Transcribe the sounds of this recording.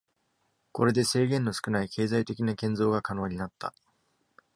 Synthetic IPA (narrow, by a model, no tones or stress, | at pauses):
ko̞ɾe̞d̪e̞se̞ːɡẽ̞nːo̞sɨ̥kɯ̟naikʰe̞ːzait̪e̞kʲinakẽnzo̞ːɡakano̞ːɲ̟inat̪ːa̰